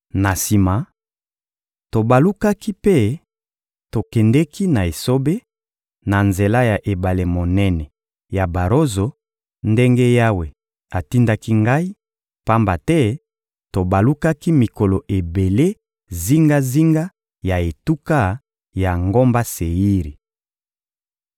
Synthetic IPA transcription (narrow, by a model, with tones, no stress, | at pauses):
na˨si˨ma˨ | to˨ba˨lu˦ka˦ki˦pe˦ | to˨kɛ˨ndɛ˦ki˦na˨e˨so˦be˦ | na˨nze˨la˦ja˨ʔe˨ba˨le˨mo˨nɛ˦nɛ˨ | ja˨ba˨ɾo˦zo˨ | nde˦ŋɡe˦ja˦we˨ | a˨ti˦nda˦ki˦ŋɡa˦i˦ | pa˦mba˨tɛ˦ | to˨ba˨lu˦ka˦ki˦mi˨ko˨lo˨ʔe˨be˨le˦ | zi˦ŋɡa˦zi˦ŋɡa˦ | ja˨e˨tu˦ka˦ | ja˨ŋɡo˦mba˦se˨ji˦ʁi˨